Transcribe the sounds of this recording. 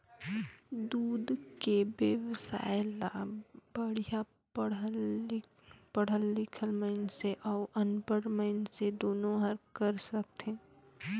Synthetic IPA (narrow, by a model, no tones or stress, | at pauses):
d̪uːd̪kebəʋsa̰ːjɪlab̥əɽ̤ija | əɽ | pəɽ̤əlːɪkʰəlmənseʔɔːʔənpəɽməɪnsed̪oːnõɦɐɾkəɾsək̚t̪ɛ̃ː